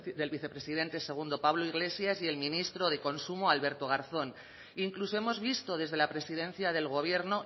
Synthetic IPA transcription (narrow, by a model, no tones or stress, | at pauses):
d̪e̞lβiθe̞pɾe̞siðe̞nt̪e̞se̞ɣ̞und̪o̞paβloiɣle̞sjasie̞lmĩnist̪ɾoð̞e̞ko̞nsumoalβe̞ɾt̪o̞ɣ̞aɾθo̞n | iŋklusoemo̞zβist̪o̞ð̞e̞zð̞e̞lapɾe̞sið̞ẽ̞n̟θjað̞e̞lɣ̞o̞β̞je̞ɾno